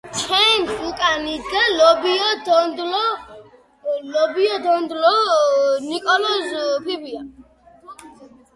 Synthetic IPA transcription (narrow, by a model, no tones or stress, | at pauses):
t͡ʃʰɛnsukʼanid̪ɡalɔbiɔd̪ɔnd̪lɔ | lɔbiɔd̪ɔnd̪lɔ | nikʼɔnɔzpʰibia̰